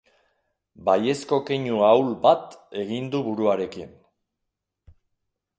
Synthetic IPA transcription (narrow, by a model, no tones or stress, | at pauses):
baje̞sko̞keɲuawlbat̪e̞ɣind̪uβuɾuaɾe̞kin